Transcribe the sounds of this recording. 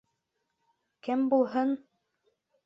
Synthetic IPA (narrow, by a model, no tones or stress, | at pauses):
kɘmbulˠɦɤn